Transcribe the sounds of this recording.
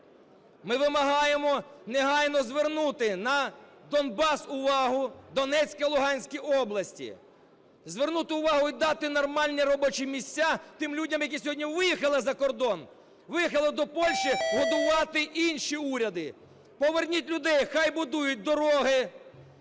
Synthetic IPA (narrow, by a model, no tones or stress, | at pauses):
mɪʋɪmɐɦɑjemɔneɦɑjnɔzʋernut̪ɪnɐ | d̪ɔnbɑsʊʋɑɦʊd̪ɔnɛt͡ssʲkɐlˠʊɦɑnʲsʲkʲijɔblˠɐsʲtʲḭ | zʋernut̪ɪʊʋɑɦʊid̪ɑt̪ɪnɔrmɑlʲnʲɛɾɔbɔt͡ʃimʲisʲtʲːat̪ɪmlʲudʲɐmjɐk̬ʲisʲɔɦɔdʲnʲiʋɪjixɐlˠɪzɐkɔrd̪ɔn | ʋɪjixɐlˠɪd̪ɔpɔlʲʃiɦɔd̪ʊʋɑt̪ɪʔinʃiuɾʲɐd̪ɪ | pɔʋernʲit̚ʲlʲʊd̪ɛjxɑjbʊd̪ujʊt̚ʲd̪ɔɾɔɦɪ